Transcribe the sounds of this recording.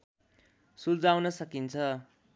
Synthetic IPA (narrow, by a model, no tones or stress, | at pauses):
suld͡zawnʌsʌkint͡sʰʌ